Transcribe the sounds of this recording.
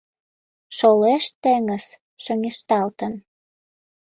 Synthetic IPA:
ʃoleʃt̪eŋə̆z | ʃøŋeʃt̪ɑlt̪ən

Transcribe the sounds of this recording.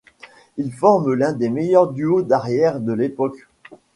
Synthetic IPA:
ilfɔʁmlɛ̃d̪emejœʁd̪yod̪aʁjɛʁd̪əlepɔk

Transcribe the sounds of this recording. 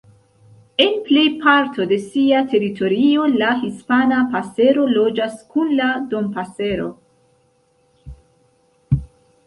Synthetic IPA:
e̞nple̞jpaɾtʰo̞de̞siatʰe̞ɾitʰo̞ɾio̞lahispanapase̞ɾo̞lo̞d͡ʒaskunlado̞mpase̞ɾo̞̰

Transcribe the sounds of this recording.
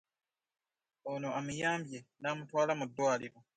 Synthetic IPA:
onoʔamijaːmbjenamutwaːlamudːwaːliɾo̞

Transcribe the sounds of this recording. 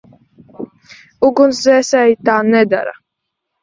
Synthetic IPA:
uɡunszɛsɛjt̪aːnɛd̪a̰ɾa̰

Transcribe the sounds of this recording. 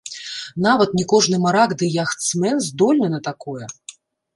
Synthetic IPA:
navɐt̪nʲikɔʐnɨmaɾaɡd̪ɨjaxt̪smɛnzd̪ɔlʲnʲɛnɐt̪akɔjɛ

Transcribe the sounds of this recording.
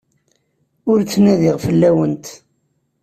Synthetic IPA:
ʊɾt͡sːnæðɪʁfəlːæwənt̪

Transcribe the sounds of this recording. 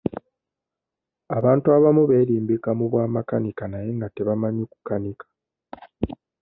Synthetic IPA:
aβaːntuwaβamuβe̞ːɾiːmbikamuβwaːmakanikanaje̞ŋɡate̞βamaɲoku̥kanikḁ

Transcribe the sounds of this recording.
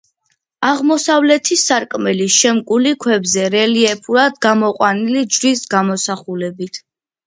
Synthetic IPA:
aʁmɔsavlɛt̪ʰisaɾkʼmɛliʃɛmkʼulikʰwɛbzɛɾɛliɛpʰuɾad̪ɡamɔqʼwanilid͡ʒɾisɡamɔsaχulɛbit̪ʰ

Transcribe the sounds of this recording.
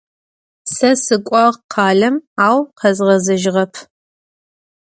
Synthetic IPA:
sɐsɨkʷʼɑʁqʰɑːɮɐmaːwqʰɐzʁɐzɐʒʁɐpʰ

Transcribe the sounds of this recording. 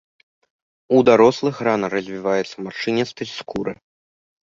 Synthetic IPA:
ud̪aɾɔslˠɨxranɐrɐzʲvʲivajɛt̪sɐmaʂɨnʲɛtst̪ɐskuɾɨ̰

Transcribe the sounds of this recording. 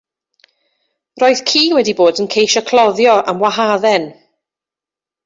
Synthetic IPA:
roːɨð̥kʰiːwɛdiboːdənkʰejʃɔkʰlˠɔðjɔʔamwaɦaðɛn

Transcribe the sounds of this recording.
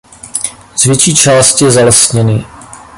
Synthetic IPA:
z̥vjɛt͡ʃiːt͡ʃaːst̪jɛzalɛsɲɛnɪ

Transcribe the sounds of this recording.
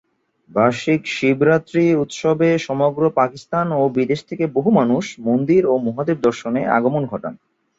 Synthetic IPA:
baʃikʃibɾat̪ːɾiut̪ʃɔbeʃɔmoɡɾopakist̪anobid̪eʃt̪ʰekeboɦumanuʃmond̪iɾomuɦad̪eb̚d̪ɔɾʃonea̰ɡomonɡʱɔʈa̰n

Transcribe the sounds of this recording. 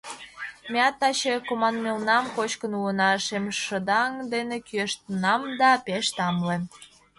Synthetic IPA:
mʲeɑt̪ːɑɕekomɑnmelnɑmkot͡ɕkənuənɑʃemʃəd̪ɑŋd̪enekyeʃt̪ənɑmd̪ɑpeʃt̪ɑmlem

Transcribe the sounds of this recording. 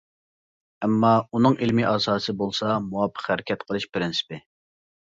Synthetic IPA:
ɛmːɑunɨŋilmiʔɑːsɑːsɨbolˠsɑmuɑpʰːə̥qhæɾɪkʲʰɛt̪qʰəlˠɨʃpɾɪnsɪ̥pɪ

